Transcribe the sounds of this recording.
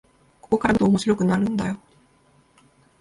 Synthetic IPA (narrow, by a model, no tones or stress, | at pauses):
ko̞ko̞kaɾat̪oːmoɕiɾo̞kɯ̟naɾɯ̟̃nd̪ajo̞